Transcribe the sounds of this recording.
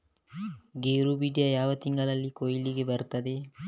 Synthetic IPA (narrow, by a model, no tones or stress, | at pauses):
ɡeːɾubiːɖijɐjaːʋɐt̪iŋɡɐlɐlːikojiliɡebɐɾut̪ɐd̪e